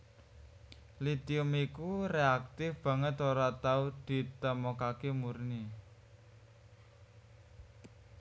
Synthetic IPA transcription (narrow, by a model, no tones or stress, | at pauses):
lit̪iʊmikureak̚t̪ɪfb̥ä̤ŋət̪oɾat̪aud̪̥i̤t̪əmokakemurni